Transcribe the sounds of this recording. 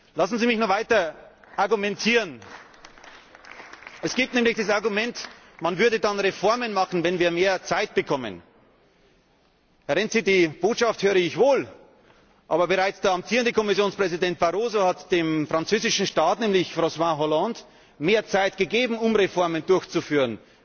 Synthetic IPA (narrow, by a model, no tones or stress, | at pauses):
lasn̩ziːmɪçnʊvaɪtɐ | ʔaɐɡumɛntʰiːʁən | ʔɛsɡ̥iːp̚tnɛːmlɪçd̥asaɐɡumɛnt | manvʏɐdədanʁefɔɐmənmɑχn̩vɛnviːɐmeːɐt͡saɪt̚b̥əkʰɔmə̰n | hɛɐnɛnz̥iːdiːb̥oːtʃafthøːʁəɪçv̥oːl | ʔaːbɐbəʁaɪt͡sd̥aːamp̚tʰiːʁəndəkʰɔmɪsjoːnspʁ̥ɛzidɛnt̚b̥aʁoːzohatd̥eːmfʁ̥ant͡søːzɪʃn̩ʃtaːtnɛːmlɪçfʁoswãɦɔlãnt | meːɐt͡saɪtɡ̥əɡeːbm̩ʊmʁefɔɐməndʊɐçt͡sufyːʁən